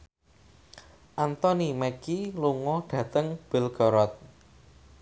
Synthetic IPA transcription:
ʔant̪ɔnimɛkiluŋɔɖ̥ä̤t̪əŋb̥ɪ̤lɡ̥ɔɾɔt̪̚

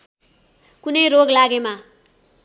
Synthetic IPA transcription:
kunʌjɾoɡlaɡema

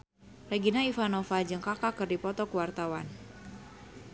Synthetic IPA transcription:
reɡinaifanofad͡ʒɨŋkakakɨrdipɔt̪ɔkuwart̪awan

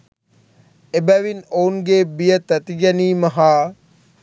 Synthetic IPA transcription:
ebæʋinounɡebijət̪ɐt̪iɡɛniːmɐɦaː

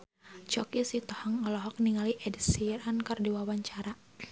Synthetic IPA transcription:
t͡ʃɔkisit̪ɔhɔŋɔlɔɦɔk̚niŋaliʔɛdisiɾankardiwawaɲt͡ʃaɾa

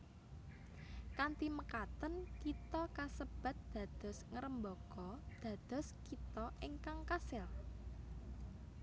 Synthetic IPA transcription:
kant̪iməkat̪ənkit̪ɔkasəb̥ä̤t̪̚d̪̥ä̤d̪̥ɔ̤sŋəɾəmbɔkɔd̪̥ä̤d̪̥ɔ̤skit̪ɔʔɪŋkaŋkasɪl

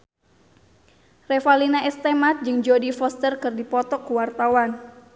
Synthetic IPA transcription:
rɛfalinaɛst̪ɛmat̪̚d͡ʒɨŋd͡ʒodifɔst̪ərkɨrdipɔt̪ɔkuwart̪awan

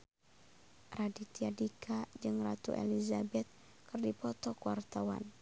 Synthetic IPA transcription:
radit̪iadikʰad͡ʒɨŋrat̪ṵʔḛlizabɛt̪̚ | kɨrdipɔt̪ɔkuwart̪awa̰n

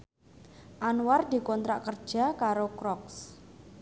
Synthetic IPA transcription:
ʔanward̪i̤kɔnt̪ɾaʔkərd̥ʒ̥a̤kaɾokɾɔks

